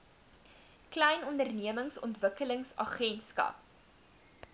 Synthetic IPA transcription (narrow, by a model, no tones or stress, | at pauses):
klɛjnɔndərniəməŋsɔ̰ntvəkələŋsɐ̰χɛntskɐ̰p̚